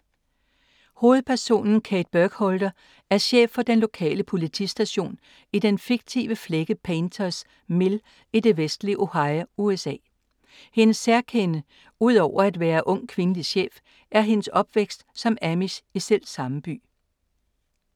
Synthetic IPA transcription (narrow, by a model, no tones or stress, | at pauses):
ho̝ːð̞̩ˠpʰæɐso̝̰ːnn̩kʰɛːd̥̚b̥œɡ̥hɔld̥ɐ | ʔæɐɕḛːfːɒ̽d̥enlo̝kʰɛ̰ːləpʰo̝lit͡sʰḭsd̥æɕo̝̰ːn | id̥enfiɡ̥̚t͡sʰḭːʋəfleɡ̥əpʰent͡sʰɐs | me̝l | id̥e̝ʋesd̥liʔo̝hɑ̈ɪuesɛ̰ː | he̝nəsːæɐkʰenə | uð̰ˠɒʊ̰ɐæd̥ʋæːɐʔɔ̽ŋ̰kʰʋe̝nəliɕḛːf | ʔæɐɦe̝nəsɒ̽b̥ʋeɡ̥sd̥sɒ̽mæmisisel̰̥sɑ̈məb̥y̰ː